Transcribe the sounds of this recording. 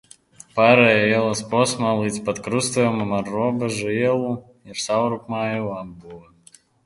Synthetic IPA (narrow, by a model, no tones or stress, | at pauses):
paɾɐjajɛlˠɐspɔsmalˠɨt͡sʲpɐt̪kɾust̪ɐjɛmɐmarːɔbɐʐɨjɛlˠu | ifsawɾukmajuabuɐ